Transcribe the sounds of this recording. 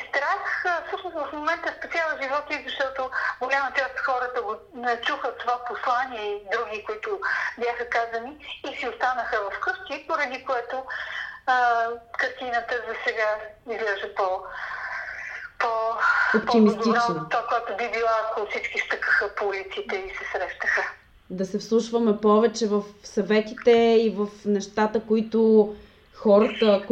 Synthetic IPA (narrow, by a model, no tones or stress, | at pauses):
st̪ɾaxfsɤʃnosvɐfmomɛnt̪əspɛsʲalˠəʒivɔt̪izɐʃt̪ɔt̪oɡolʲamət͡ʃast̪xɔɾət̪əɡo | t͡ʃuxət̪ovaposlˠaniɛid̪ɾuɡʲikoit̪ʊbjaxəkazəniːsiost̪anəxəvɐfkɤʃt̪ʲipoɾɐd̪ikoɛt̪o | əkɐɾt̪inət̪əzɐsɛɡaizlɛʒəpo | poopp̪imist̪int͡ʃnot̪akoɛt̪ʊbibilˠaːkofsit͡ʃkist̪əkəxəpoulit̪sit̪ɛisɛsɾɛʃt̪əxə | d̪ɐsɛfslˠuʃvɐmɛpɔvɛt͡ʃɛvəfsɐvɛt̪it̪ɛivəfnɛʃt̪at̪əkoit̪ʊ | xɔɾɐt̪ək